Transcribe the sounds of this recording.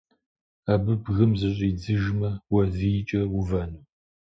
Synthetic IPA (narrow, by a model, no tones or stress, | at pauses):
abɨbɣɨmzɨɕʼiːd͡zɨʒmɐwɐzɨjɪt͡ʃʼɐwʊvɐnuː